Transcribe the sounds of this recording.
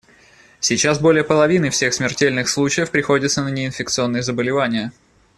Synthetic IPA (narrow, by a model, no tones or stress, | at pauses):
sʲɪt͡ɕasbo̞lʲɪjəpəlˠɐvʲinɨfsʲe̞xsmʲɪrtʲelʲnɨxslˠut͡ɕɪjəfpɾʲɪxo̞dʲɪt̪sənənʲɪɪnfʲɪk̚t̪sɨo̞nːəjəzəbəlʲɪvanʲɪjə